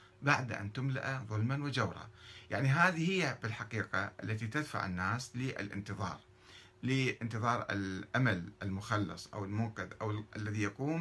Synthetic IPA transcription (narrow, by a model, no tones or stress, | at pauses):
baʕd̪ʔa̰nt̪ʊmla̰ʔaðˤʊlmanwɪd͡ʒawɾˤɑ̰jaʕniɦaːðihɪjːabɪlħaqiːqaʔalːat̪it̪ad̪fa̰ʕɪ̰nːaːslɪʔɪ̰lʔɪ̰nt̪ɨðˤɑ̰ːɾˤ | lɪʔɪnt̪ɨðˤɑːɾˤɪ̰lʔamalʔɪlmʊxɑlːɨ̰sˤʔa̰wɪlmʊːqɪd̪ʔa̰wʔalːaðijaquːm